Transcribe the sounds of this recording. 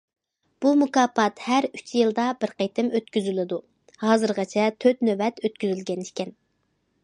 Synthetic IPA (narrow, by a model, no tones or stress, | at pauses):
b̥umukɑːpɑt̪hæɾyt͡ʃʰjɨlˠd̪ɑbɪɾqejt̪ʰɪmøt̪̚kʲyzylˠɪd̪u | hɑːzɨɾʁɑt͡ʃʰɛt̪ʰøt̪nøwɛt̪øt̪̚kʲyzylɡʲɛnikʲʰɛn